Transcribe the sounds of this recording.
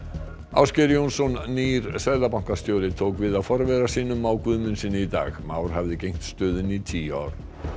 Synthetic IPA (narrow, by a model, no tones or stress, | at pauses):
a̰ːwscɛɾjownsɔnniɾ̥sajðapawŋ̥kast̪joːwlɪt̪ʰowkvɪðaðfɔɾvɛɾasiːnʏmawkvʏðmʏnsiːnʏit̪a̰ːɣmaːwɾ̥ɦavðɪcejŋ̥t̪st̪œːðɪnit̪ʰiːa̰ːɾ̥